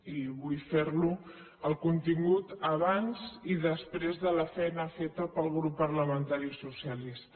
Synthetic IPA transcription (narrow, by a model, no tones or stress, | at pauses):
iβujfeɾlu | əlˠkunt̪iŋɡut̪əβanziðəspɾezðələfɛjnəfet̪əpəlˠɣɾupːəɾləmənt̪aɾisusialis